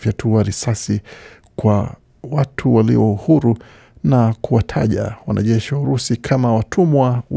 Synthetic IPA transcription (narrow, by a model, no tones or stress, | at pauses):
vjatʰuwaɾisasi | kwa | watʰuwalḭɔuhuɾu | nakuwatʰaʄa̰wanʔa̰ʄɛʃiwauɾusikʰamawatʰumwaw